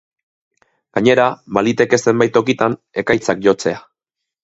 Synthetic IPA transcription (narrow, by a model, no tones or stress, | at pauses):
ɡ̥aɲe̞ɾaβalit̪e̞ke̞se̞mbajt̪o̞kit̪an | e̞kajt͡sak̚ʝo̞t͡se̞a